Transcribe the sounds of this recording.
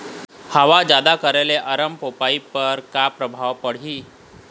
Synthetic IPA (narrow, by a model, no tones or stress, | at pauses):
həʋad͡ʒjad̪akəɾeleʔəɾəmpopaipəɾkapɾəbʱaʋpəɽ̤iː